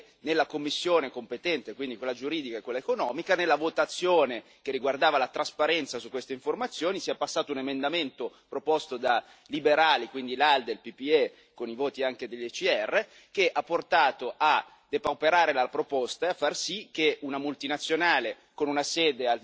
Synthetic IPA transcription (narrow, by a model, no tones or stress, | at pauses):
nelːakomːisːjoːnekompet̪ɛnt̪ekwind̪ikwelːad͡ʒuɾiːd̪ikaekːwelaekonɔːmikanelːavot̪at̪sːjoːne | k̟erːiɡward̪aːvalat̪ɾaspaɾɛnt̪sasukːwest̪eiɱformat̪sːjoːnisiapasːaːt̪ounemend̪ament̪o | pɾopost̪od̪a | libeɾaːlikwind̪ilald̪elpipie | konivoːt̪iaŋked̪eʎːet͡ʃiɛrːe | k̟eʔapːort̪aːt̪oʔa | d̪epawpeɾaːɾelapɾopost̪aafːarsik̟ːeunamult̪inat̪sːjonaːle | konunaseːd̪ea